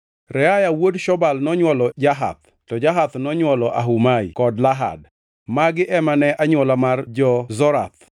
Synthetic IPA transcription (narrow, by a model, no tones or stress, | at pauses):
ɾɛajawodʃɔbalnɔɲwɔlɔd͡ʒaɦa̰t̪̚ | tɔd͡ʒaɦat̪nɔɲwɔlɔʔaɦumaikɔdlaɦa̰d | maɡɪʔɛmanɛʔaɲwɔlamard͡ʒɔzɔɾa̰t̪